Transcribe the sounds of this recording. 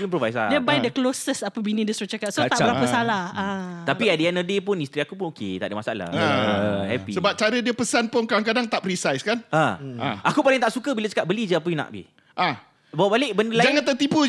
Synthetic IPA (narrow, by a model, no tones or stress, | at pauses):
impɾovajsa̰diəbajdəklosəsapəbinĩdəsuɾat͡ʃakat̪sotaʔbbəɾapəsalahat̪apiadiɛnədepʊnist̪ɾiakupʊnokḛt̪a̰ʔdəmasaa̰la̰ | hɛpisəbap̚t͡ʃaɾədiəpəsanpʊnkadaŋk̬adaŋt̪aʔpɾisajskanããakupalɪiŋt̪aʔsukəbilat͡ʃḁkaʔ̚bəlid͡ʒəap̬əjnã̰ʔbḭ | ʔa | bawaʔbalɪʔbəndəlad͡ʒaŋãnt̪ərt̪ipu